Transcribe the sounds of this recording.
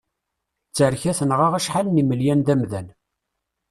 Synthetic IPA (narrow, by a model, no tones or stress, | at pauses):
t͡sːəɾçæθənʁaʁæʃħalniməljænðæmðæn